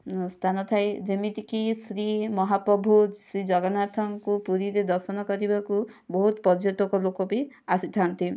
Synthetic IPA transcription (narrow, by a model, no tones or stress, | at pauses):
st̪ʰanɔt̪ʰajd͡ʒemit̪ikisɾimɔɦapɾɔbʱusɾid͡ʒɔɡɔnat̪ʰɔŋkupuɾiɾed̪ɔɾsɔnɔkɔɾibaku | bɔɦut̪pɔd͡ʒjɔt̪wokɔlokɔpi | asit̪ʰant̪i